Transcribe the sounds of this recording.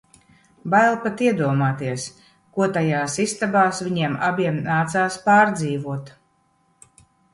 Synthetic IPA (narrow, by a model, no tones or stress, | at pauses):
bajlˠpat̪iɛd̪uɔmaːt̪iɛs | kuɔt̪ajaːsist̪abaːsvʲiɲiɛmabʲiɛmnaːt̪saːspaːɾd̪ziːvuɔt̪